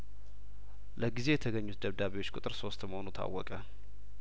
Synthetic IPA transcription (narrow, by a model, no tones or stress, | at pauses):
ləɡize̞jɛt̪ʰəɡəɲːut̪d̪əβd̪aβeo̞t͡ʃːkʼut̪ʼɨɾso̞st̪məhonut̪ʰa̰wːɔkʼə